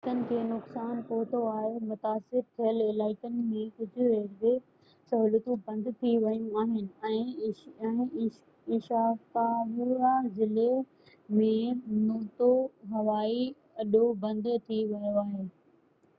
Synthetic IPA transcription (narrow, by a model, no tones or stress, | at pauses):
kənɪ̆kʰeːnʊksaːnpoɦt̪ʰoaːɦemʊt̪aːsɪɾt̪ʰijəlɪlaːɪkənɪ̆mẽkʊd͡ʑʱʊɾeːɾɡe | sɐɦuːlət̪ũbɐ̃nd̪t̪ʰiʋɐjũaːɦɪnɪ̆ɛ̃ːɛ̃ː | ɪʃaːt̪aʋuɾazɪle | mẽnoːt̪oɦɐʋaːi | ɐɗobɐ̃nd̪t̪ʰiʋɐjoaːɦeː